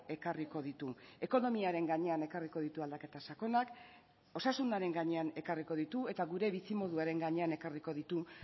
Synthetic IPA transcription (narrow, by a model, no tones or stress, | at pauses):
e̞kariko̞ð̞it̪ue̞ko̞no̞miaɾe̞ŋɡaɲe̞ane̞kariko̞ðit̪uald̪ake̞t̪asako̞nak | o̞sasund̪aɾe̞ŋɡaɲe̞ane̞kariko̞ðit̪ue̞t̪aɣuɾe̞βisimo̞ðuaɾe̞ŋɡaɲe̞ane̞kariko̞ðit̪u